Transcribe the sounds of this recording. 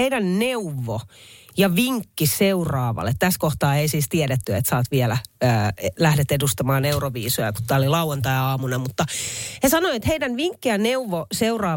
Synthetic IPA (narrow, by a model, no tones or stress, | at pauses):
eidænneuʋːo | jɑʋiŋkːiseurɑːʋɑ̰lːˑet̪t̪æskoht̪ɑːeisiːst̪iɛdet̪ːyḛt̪sɑːt̪ʋiɛlæøːelæhdet̪edust̪ɑmɑːneuroʋiːsojɑku̥t̪t̪ːæːolilɑuwɑnt̪ɑjɑːmunemmut̪ːɑhesɑnoiet̪heidænʋiŋkːijɑneuʋːoseurɑː